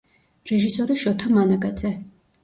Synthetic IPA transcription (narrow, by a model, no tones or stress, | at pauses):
ɾɛʒisɔɾiʃɔt̪ʰamanaɡad̪zɛ